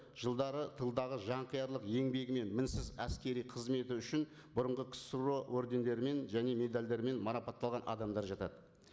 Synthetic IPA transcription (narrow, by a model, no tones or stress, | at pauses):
ʒ̥əlˠd̪ɑɾət̪ʰəlˠd̪ɑʁəʒɑɴqʰəjɑɾlˠəqje̞ŋbe̞ɡʲɪme̞nmɪnsɪzæskʲe̞ɾijqʰəzme̞t̪ɪʏʃɪn | bʊɾəɴʁəkʲʰɪ̥suɾowɵɾd̪e̞nd̪e̞ɾɪme̞nʒæne̞me̞d̪alʲd̪e̞ɾɪme̞nmɑɾɑpɑt̪ːɑlˠʁɑnʔɑ̰d̪ɑmd̪ɑɾʒɑt̪ɑd̪ə